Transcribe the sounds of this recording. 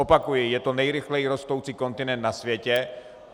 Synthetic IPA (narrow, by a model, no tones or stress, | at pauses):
opakujɪjɛt̪o̞nɛjɾɪxlɛjiɾo̞st̪owt͡siːko̞nt̪ɪnɛnt̪nasvjɛcɛ